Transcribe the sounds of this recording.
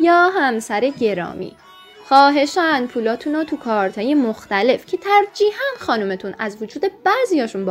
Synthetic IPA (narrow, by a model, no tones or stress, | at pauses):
jɒːɦæmsæɾe̞ɟe̞ɾɒ̰ːmḭː | xɒːɦe̞ʃænpʰuːlɒːt̪ʰunɒːt̪ʰukʰɒːɾt̪ʰɒːje̞moxt̪æle̞fcʰe̞t̪ʰæɾd͡ʒiːhænxɒːnume̞t̪ʰunæzvod͡ʒuːd̪e̞b̥æziːjɒːʃunb